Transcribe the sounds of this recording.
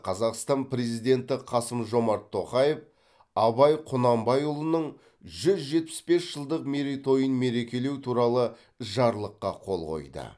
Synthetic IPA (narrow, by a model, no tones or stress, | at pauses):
qʰɑzɑqst̪ɑnpɾe̞zijd̪e̞nt̪ɪqʰɑsəmʒo̞mɑɾt̪ʰːo̞qɑje̞f | ɑbɑjqʰʊnɑmbɑjʊlˠənəɴ | ʒʏzʒe̞t̪̚pɪ̥sbe̞sʒ̥əlˠd̪əqme̞ɾit̪ʰo̞jənme̞ɾe̞kʲe̞le̞wt̪ʰuɾɑlˠə | ʒɑɾlˠəqːɑ̰qʰo̞lˠʁo̞̰jd̪ə̰